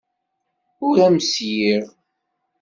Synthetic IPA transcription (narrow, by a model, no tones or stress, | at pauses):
ʊɾæmsjiɾ